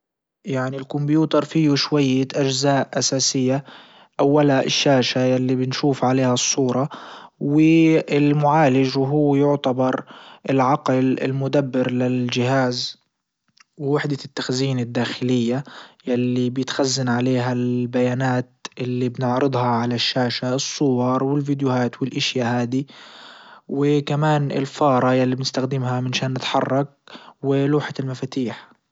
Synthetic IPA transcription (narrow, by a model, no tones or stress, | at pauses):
jaʕnilkʊmbjuːt̪ɑɾˤfiːuʃwajːaʔad͡ʒzaːʔʔasaːsɪjːa | ʔawːalaʔɪ̰ʃːaːʃajalːibɪnʃuːfʕaleːhasˤːuːɾˤɑwɪɪlmʊʕaːlɪʒwɦʊːjʊʕt̪abɑɾˤʔɪlʕaqlɪ̰lmʊd̪abːɪɾlɪld͡ʒɪhaːz | wɪwɪħd̪at̪ːaxziːnɪd̪ːaːxɪlɪjːajalːibjɪt̪xazːanʕaleːɦalbajaːnaːt̪ʔɪlːibnɪʕɾɨd̪ˤhɑʕalaʃːaːʃaɨsˤːʊwɑɾˤwɪlvid̪jʊhaːt̪wɪlʔaʃjahaːd̪i | wɪkamaːnɪ̰lfɑːɾˤɑjalːibnɪst̪axd̪ɪmɦamɪnʃaːnːɪt̪ħɑ̰rˤːɑk̚wɪluːħaɪlmafaːt̪iːħ